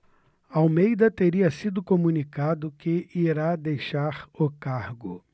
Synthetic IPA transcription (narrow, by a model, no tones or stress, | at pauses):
awmejd̪ɐt̪eɾiɐsid̪ʊkomunikad̪ʊkɪʔiɾad̪ejʃaɾʊkaɾɡʊ̰